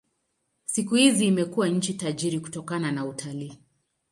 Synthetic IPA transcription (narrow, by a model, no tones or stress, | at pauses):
sikuhiziːmɛkuwaɲ̩t͡ʃitaʄiɾiku̥tɔkananautʰaliː